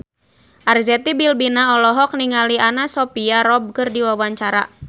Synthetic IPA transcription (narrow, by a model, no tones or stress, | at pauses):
ʔarzɛt̪ibilbinaɔlɔɦɔk̚niŋalianasɔpiaɾɔb̚kɨrdiwawaɲt͡ʃaɾa̰